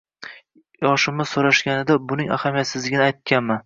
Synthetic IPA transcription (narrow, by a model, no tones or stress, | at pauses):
jɒʃɪmɪz̥soɾaʃɡʲanɪd̪abʊnɪŋa̰hamijat̪sɪzlɪɡʲɪnɪajt̪̚kʲʰanman